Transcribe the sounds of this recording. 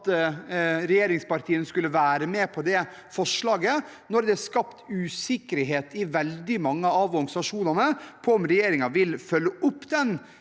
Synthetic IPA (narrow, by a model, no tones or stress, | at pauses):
t̪ | ɾɛjeːɾɪŋspɑɾʈ̪ʰiːənskʉlːəʋæːɾəmɛːpʰɔd̪ɛ | fɔʂlɑːɡə | nɔɾd̪ɛæskɑpt̪ʉːsɪkəɾɦeːt̪ɪʋɛld̪ɪmɑŋːəɑʋʋɔŋsɑʂuːnɑnəpʰɔɔmɾɛjeːɾɪŋɑʋɪlfœlːəʔʊpːd̪ɛn